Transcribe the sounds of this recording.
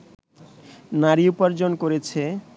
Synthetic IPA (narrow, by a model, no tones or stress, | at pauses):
naɾiupaɾd͡ʑonkoɾet͡ɕʰe